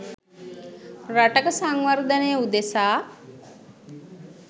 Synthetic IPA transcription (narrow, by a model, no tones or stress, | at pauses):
raʈəkəsaŋʋard̪ənejəud̪esaː